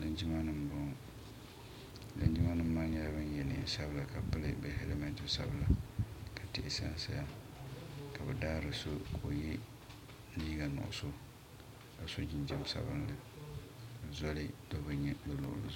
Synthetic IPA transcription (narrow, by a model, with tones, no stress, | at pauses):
lɨ˦nd͡ʒi˦ma˦nɨ˦mbʊ˦˨ | lɨ̰˦nd͡ʒi˦ma˦nɨ˦mː˦aː˦ɲɛ˦la˦bɨ˦n˦jɛ˨nɨ̰˨sa˦bɨ˨la˨ka˨pɨ˦lɨ̰˦bɨ˦he˦le˦mɛ˨ntɪ˦sa̰˦bɨ˨la˨kʰa˨tɪ˦ʔɪ˨sa̰˦nsa˦ja˦ | ka˨bɨ˨daː˦ɾɨ˨so˦kʰo˨jɛ˦ | niː˦ɡa˨nʊ̰˨ʔʊ̰˨so˦ | ka˨so˦d͡ʒɪ˦nd͡ʒɛ˦m˦sa̰˨bɨ˦nlɨ˨ | bɨ˨zɔ˦lɪ˦do˦bɨ˨ɲɛ˦bɨ˨lʊ̰˨ʔʊ̰˦lɨ̰˨˦